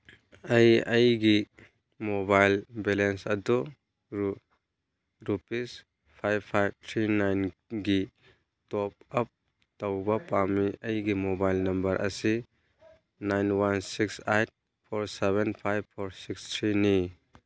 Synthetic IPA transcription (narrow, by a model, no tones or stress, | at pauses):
ɐjɐjɡi | mobajlbelensɐdu | ɾupis | pʰajbpʰajb̚t̪ʰɾinajnɡi | tɔp̚ɐp̚ | tɐwbɐpamiʔɐjɡimobajlnɐmbɐɾʔɐ̰si | najnwansiksajt̚ | pʰoɾseβenpʰajbpʰoɾsikstʰɾini